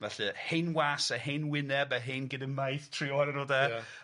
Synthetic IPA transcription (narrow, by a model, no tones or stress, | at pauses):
vɛɬɨhejnwaːsahejnwɪnɛbaɦenɡɪdəmajθtʰrɪɔɾənodɛ